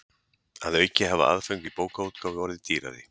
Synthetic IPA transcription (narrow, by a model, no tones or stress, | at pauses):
aðœcːɪhava̰a̰ðfœɥŋkvipoːwkauːt̪kʰawvvɔɾɪðt̪iːɾa̰ðɪ